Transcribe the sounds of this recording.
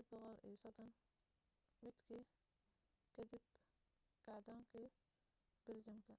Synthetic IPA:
d̪̚bɔqɔlḭːsɔd̪ɔn | mɪd̪kʰiː | kʰɐd̪ɪb | kɐʕd̪ɔːŋkʰiː | b̥ɪld͡ʒɐmkʰɐ

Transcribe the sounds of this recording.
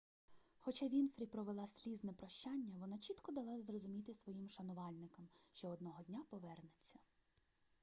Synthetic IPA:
xɔt͡ʃaʋʲinfɾʲipɾɔʋelˠɑsʲlʲiznɛpɾɔʃt͡ʃɑnʲːɐʋɔnɑt͡ʃʲit̪kɔd̪ɐlˠɑzrɔzʊmʲit̪ɪsʋɔjimʃɐnʊʋɑlʲnɪkɐmʃt͡ʃɔɔd̪nɔɦɔdʲnʲapɔʋɛrnet͡sʲːɐ

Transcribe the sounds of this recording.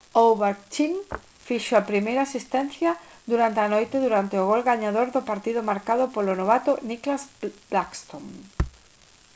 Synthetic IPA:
owβaɾt͡ʃiŋ | fiʃoapɾimejɾaːsist̪ɛnθjɐ | d̪uɾant̪eanojt̪eðuɾant̪eʊɣolɣaɲaðoɾðʊpaɾt̪iðʊmaɾkaðʊpolonoβat̪ʊniklazb̥lakst̪oŋ

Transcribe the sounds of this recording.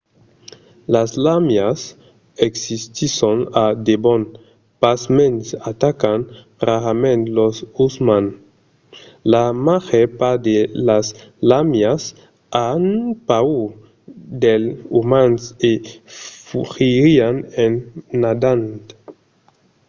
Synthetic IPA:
laslamjas | eksist̪iʃonad̪ebɔn | pasmẽnsat̪akan | raɾamẽnt̪losusmãn | lamaʁepad̪elaslamjas | anpau | d̪elumansefuʁiɾianenːad̪ant̪

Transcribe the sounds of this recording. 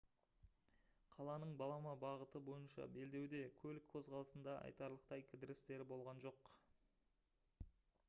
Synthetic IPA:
qʰɑlˠɑnəɴbɑlˠɑmɑbɑʁət̪əbo̞jənʃɑ̰be̞ld̪e̞wd̪e̞kʲʰɵlɪkʰːozʁɑlˠəsənd̪ɑʔɑ̰jt̪ɑɾlˠəqt̪ɑjkʲʰɪd̪ɪɾɪst̪e̞ɾɪbo̞lˠʁɑnʒo̞q

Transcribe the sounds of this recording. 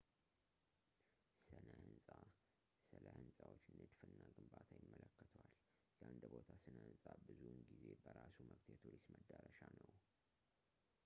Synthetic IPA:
sɨnəhɨnsʼa | sɨləhɨnsʼawot͡ʃːnɨd̪fɨnːaɡɨmbat̪ʰajɪmːələkːət̪ʰwalː | əʔand̪bot̪ʰasɨnəhɨnsʼabɨzunɡize̞bəɾasuməkt̪ʰjɛt̪ʰuɾisməd̪ːəɾəʃanəw

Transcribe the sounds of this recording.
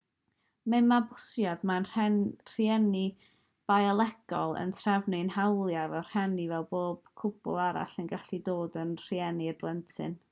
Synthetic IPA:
mɪmabʊsjadmanɛr̥jɛni | b̥ajɛlˠɛɡ̥ɔlˠə̰ntʰravnɪnhawlˠjavɛwr̥hɛnivɛlˠboːb̥kʰʊbʊ̰lˠaɾa̰ɬənɡaɬidoːdənr̥iɛnidwɛntʰɨ̰n

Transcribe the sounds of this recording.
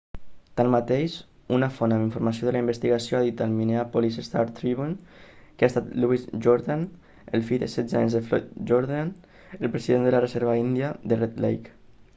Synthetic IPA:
t̪anmat̪ejʃunafonamiɱfuɾmasioðəlaimbəst̪iɣasioaðit̪almineapolisest̪aɾt̪ɾiβunkeast̪at̪luizʒoɾðan | əlˠfiðə̰sɛd̪d͡zaɲzðəflɔ̰t̪ʒoɾðan | əlˠpɾəziðend̪əlarezɛɾβaind̪iad̪ərɛt̪lḛjk

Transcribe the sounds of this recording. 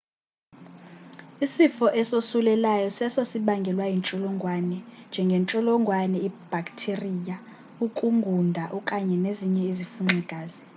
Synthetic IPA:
isifɔʔɛsosulɛlajɔsɛsosiɓaŋɡʱɛlwajint͡ʃʼɔlɔŋɡʱwanɛnd͡ʒʱɛŋɡʱent͡ʃʼɔlɔŋɡʱwanɛib̥ʱakʼtʰerija | ukʼuŋɡʱundʱaʔɔkʼaɲɛneziɲɛizifuŋ͡ǀʱɛɡ̥ʱaːzi

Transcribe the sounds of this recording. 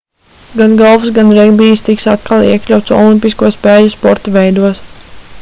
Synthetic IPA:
ɡanɡalˠvusɡanɾɛɡbiːst̪iksat̪kalˠḭɛklʲawt̪sɔ̰lˠimpʲiskuɔspɛːluspɔ̰ɾt̪avɛjd̪uɔs

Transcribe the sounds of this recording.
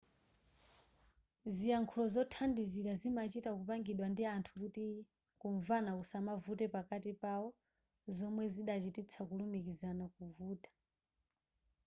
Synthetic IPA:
zijaŋkʰulɔzɔtʰandiziɾazimat͡ʃitakupaŋɡiɗwandiantʰukuti | kuɱvanakusamavutɛpakatipaɔ | zɔmwɛziɗat͡ʃitit͡sʰakulumikizanakuvuːtḁ

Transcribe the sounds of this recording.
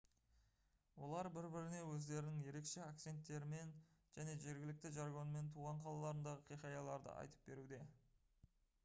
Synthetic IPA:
wo̞̰lˠɑɾbɪɾbɪɾɪne̞wɵzd̪e̞ɾɪnɪŋje̞ɾe̞kʃe̞ak̚t̪se̞nt̪ːe̞ɾɪme̞nʒ̥æne̞ʒe̞ɾɡʲɪlɪk̚t̪ɪʒɑɾɡo̞nme̞nt̪ʰuʁɑɴqʰɑlˠɑlˠɑɾənd̪ɑʁəqʰijχɑjɑlˠɑɾd̪ə̰ʔɑ̰jt̪ə̥p̚be̞ɾud̪e̞

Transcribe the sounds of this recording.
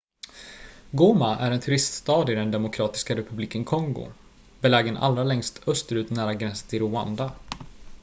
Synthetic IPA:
ɡoːmaʔæ̰ɾɛnt̪ʰɵɾɪst̪st̪ɑːd̪ɪd̪ɛnd̪ɛmʊkʰɾɑːt̪ɪ̥skaɾɛpɵbliːkənkʰɔŋɡʊ̰ | bɛlɛːɡənʔa̰lːɾalɛŋst̪œst̪əɾʉ̟ːt̪næːɾaɡɾɛnsə̥t̪ʰɪɾʊa̰nd̪a

